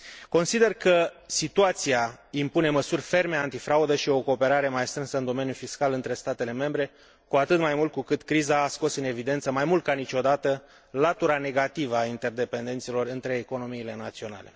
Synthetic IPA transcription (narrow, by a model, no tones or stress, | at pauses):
ko̞nsid̪e̞rkəsit̪uat̪siaimpune̞məsurʲfe̞rmeant̪ifɾaud̪əʃio̞ko̞ːpe̞ɾaɾe̞majst̪ɾɨnsəɨnd̪o̞me̞njufiskalɨnt̪ɾe̞st̪at̪e̞le̞me̞mbɾe̞ | kuat̪ɨt̪majmult̪̚kukɨt̪kɾizaːsko̞sɨne̞vid̪e̞nt̪səmajmult̪̚kanit͡ʃo̞d̪at̪ə | lat̪uɾane̞ɡat̪ivəaint̪e̞rd̪e̞pe̞nd̪e̞nt̪silo̞rɨnt̪ɾe̞ːko̞no̞miːle̞nat̪sio̞na̰le̞